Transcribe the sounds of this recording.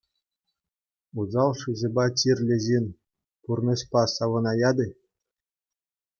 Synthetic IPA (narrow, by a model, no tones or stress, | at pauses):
uzɑlˠʂɯzʲĕbɑt͡ɕʲirʲlʲɘ̆ʑenʲ | purnɤ̆ɕpɑsɑʋɤ̆nɑjɑd̪ɘ̆